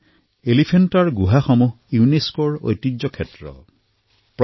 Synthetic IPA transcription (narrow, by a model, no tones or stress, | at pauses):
elipʰentaɹɡuɦaxɔmuɦ | juuneskoɹo̰jtid͡ʑɔkʰetɹɔ̰ | p